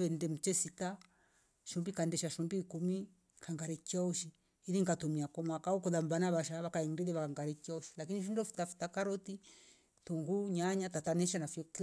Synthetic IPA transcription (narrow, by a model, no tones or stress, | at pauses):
ɛndɛm̩t͡ʃɛsita | ʃumbikaɛndɛʃaʃumbiːkumi | kʰaŋɡaɾɛkiauʃiː | ðiŋɡatumiakɔmakaɔkuðambanaβaʃaβakaɛndɛlɛβakaŋɡaɾɛkiauʃi̥lakiniʃindɔfu̥tafu̥takaɾɔti | tuŋɡuɲaɲatatanɛʃ̬anafiɔk